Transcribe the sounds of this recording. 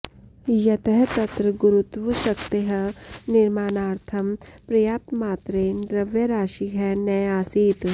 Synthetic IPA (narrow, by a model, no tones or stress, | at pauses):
jɐt̪əɦt̪ɐt̪ɾəɡʊɾut̪wuʃɐkt̪eɦɐnɪɾmaːnaːɾt̪ʰɐmpɾɐjaːp̚t̪maːt̪ɾed̪ɾɐʋjɐɾaːʃiɦɛnɐjaːsiːt̪